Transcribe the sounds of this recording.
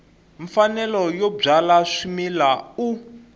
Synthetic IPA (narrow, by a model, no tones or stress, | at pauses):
ɱfanɛlɔjɔb͡ʐalaʂimilau